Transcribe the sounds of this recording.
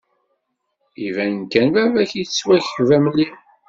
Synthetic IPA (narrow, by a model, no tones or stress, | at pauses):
ivænnkænvævæçjit͡sːwæçvæmli